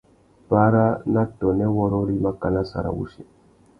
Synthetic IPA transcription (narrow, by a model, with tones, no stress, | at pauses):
pa˦ɾa˦na˦tɔ˨nɛ˦wɔ˦ɾɔ˦ɾi˦ma˦ka˦˨na˦sa̰˨ɾa̰˨wṵ˦ʃi˨